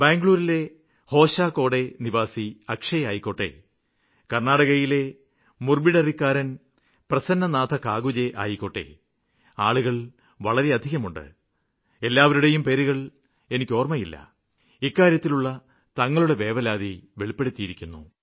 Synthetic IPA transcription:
beːŋɡɭuːɾile̞ | ho̞ːɕaːko̞ːɽe̞niʋaːsiɐkʂɐjaːjikːo̞ʈːe̞̰ | kɐrnaːɽɐɣɐjile̞ | murbiɽɐrikːaːɾɐn | prɐsɐnːɐnaːd̪ʰʱɐkaːɡud͡ʑeʔa̰ːjiko̞ʈːe̞̰ | aːɭuɣɐɭ | ʋɐɭɐɾe̞ɐd̪ʱiɣɐmuɳɖɨ̰ | e̞lːaːʋɐɾuɽe̞jumpe̞ːɾuɣɐɭ | e̞nikʲːo̞ːrmɐjilːɐ̰ | ikːaːɾjɐt̪ːiluɭːɐ | t̪ɐŋːɐɭuɽe̞ʋe̞ːʋɐlaːðiʋeɭipːe̞ɽut̪ːijiɾikʲːunːṵ

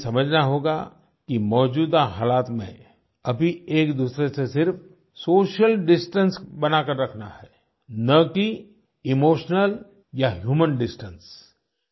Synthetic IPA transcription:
sɐməd͡ʒʱnaɦoːɡa̰ | kimɔːd͡ʒuːd̪aɦaːlaːt̪mḛ̃ | ɐbʱieːkd̪uːsɾesesɪɾf | soːʃəlɖɪsʈə̃nsbɐnakəɾːɐkʰna̰ɦɛː | nɐki | ɪmoːʃnəl | jaɦjuːmənɖɪsʈəns

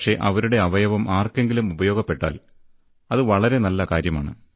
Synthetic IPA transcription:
ʂe̞ʔɐ̰ʋɐɾuɽe̞ɐʋɐjɐʋɐmaːrke̞ŋɡilumubɐjo̞ːɡɐpːe̞ʈːa̰ːl | ɐðɨʋɐɭɐɾe̞nɐlːɐkaːɾjɐmaːɳɨ̰

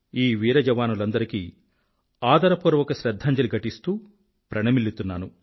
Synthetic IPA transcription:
iːʋiːɾɐd͡ʒɐʋaːnulɐnd̪ɐɾikiː | aːd̪ɐɾɐpoɾɐʋɔkɐʃɾɐd̪ʱːaːɲd͡ʒɐluɡʱɐʈist̪uː | pɾɐnɐmilit̪unːaːnu

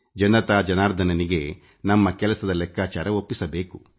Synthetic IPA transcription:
d͡ʒɐnd̪ɐt̪aːd͡ʒɐnaːɾd̪ʱɐnɐniɡe̞ | nɐmːɐkɛlɐsɐd̪ɐlɛkʰːaːt͡ʃaːɾɐo̞pːisɐbe̞ːku

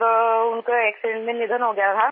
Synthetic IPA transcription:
ɾʊnkoɛːksɪɖẽɳʈmẽnɪd̪ʱənɦoɡɐjat̪ʰa

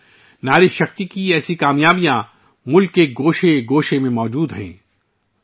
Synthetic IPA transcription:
naːɾɪʃɐxt̪ikiɛːsikaːmjaːbijã | mʊlkːeɡoːʃeɡoːʃemẽmɔːd͡ʒuːd̪ɦɛ̰̃ː

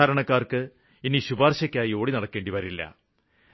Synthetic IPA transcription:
aːɾɐɳɐkːaːrkɨ | iniɕubaːrɕɐkʲːaːjio̞ːɽinɐɽɐkːeːɳɖiʋɐɾilːɐ̰

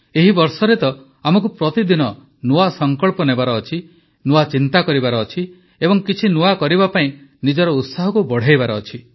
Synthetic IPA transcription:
eɦibɔɾsɔɾet̪ɔ | amɔk̬upɾɔt̪id̪inɔ | noasɔŋkɔɭpɔnebaɾɔːt͡ʃʰi | noat͡ʃint̪akɔɾibaɾɔːt͡ʃʰi | ebɔŋkit͡ʃʰinuakɔɾibapaĩnid͡ʒɔɾɔut̪saɦɔkubɔɽ̤ajbaɾɔːt͡ʃʰi

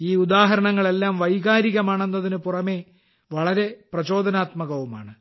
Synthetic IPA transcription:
iːud̪aːɦɐɾɐɳɐŋːɐɭe̞lːaːmʋɐjɣaːɾiɣɐmaːɳe̞nːɐðinɨpurɐme̞ | ʋɐɭɐɾe̞prɐt͡ɕo̞ːd̪ʱɐnaːt̪mɐɣɐʋuma̰ːɳɨ

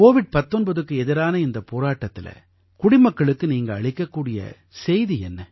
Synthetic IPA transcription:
koːʋɪɖ̚pɐt̪ːɔnbɐðɯkːɯɛðɪɾaːnɐɪnd̪ɐpoːɾaːʈːɐt̪ːɪlɐ̰ | kʊɽɪmɐkːɐɭɯkːɯniːŋɡɐːɭɪkːɐkːuːɽɪjɐ̰ | sɛjðiɛnːɐ

